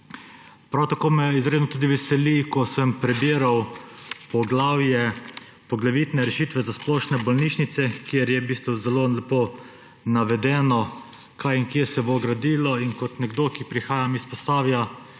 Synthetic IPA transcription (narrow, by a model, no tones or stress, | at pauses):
pɾawt̪akoːmɛizɾed̪nɔt̪uːd̪iʋɛsɛlikɔsəmpɾɛbiːɾawpɔɡlaːwjɛ | pɔɡlaʋit̪nɛɾɛʃiːt̪ʋɛzasplɔːʃnɛbɔlniːʃnit̪sɛkjeɾjɛbiːst̪ʋuzɛlolɛpoː | naʋɛd̪ɛːnɔ | kʰajiŋkjesɛboɡɾad̪iːlɔinkɔt̪nɛɡd̪okipɾixaːjamispɔst̪aːwja